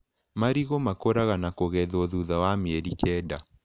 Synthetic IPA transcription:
maɾiɣomakoɾaɣanakoɣɛðɔðuðawameɛɾikɛda

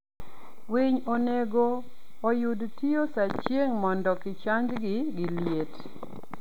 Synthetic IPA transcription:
wiɲoneɡoː | judtiosat͡ʃjeŋmɔndɔkɪt͡ʃaɲd͡ʒɡɪɡɪljet

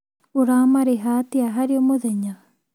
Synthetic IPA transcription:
oɾamaɾeɦatiaɦaɾiomoðɛɲa

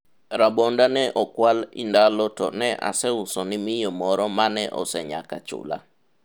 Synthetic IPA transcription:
ɾabɔndanɛʔɔkwalɪ̰ndalɔtɔ̰nɛʔa̰sɛʊsɔnɪmɪjɔmɔɾɔmanɛʔɔ̰sɛɲa̰ka̰t͡ʃʊ̰la̰

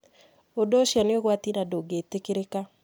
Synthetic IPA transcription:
odoʃjaneoɣwat̪inadoɡetekeɾeka

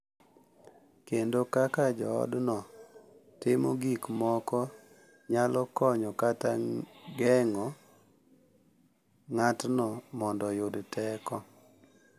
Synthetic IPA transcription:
kendokakad͡ʒɔɔ̰dnɔ | tɪmoɡikmɔkɔ | ɲalɔkɔɲɔkataɡɛŋɔ | ŋatnɔmɔndɔjʊdtɛkɔ

